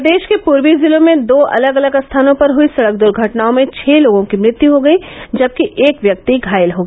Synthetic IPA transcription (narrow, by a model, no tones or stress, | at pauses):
d̪eːʃkepuːɾwizɪlõmẽd̪oːʔɐ̰ləɡɐləɡst̪ʰaːnõpɐɾɦʊisɐɽək̚d̪ʊɾɡʱɐʈnaːõmẽt͡ʃʰɛːloːɡõkimɾɪt̪juɦoɡɐid͡ʒɐb̚kiʔeːkʋjɐk̚t̪iɡʱaːjəlɦoːɡiː